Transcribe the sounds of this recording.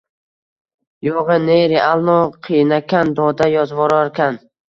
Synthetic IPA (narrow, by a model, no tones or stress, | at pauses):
joʁɨneɾeʔalˠnɒqʰijnakʲʰand̪ɒd̪ajɒzvɒɾaɾkʲʰan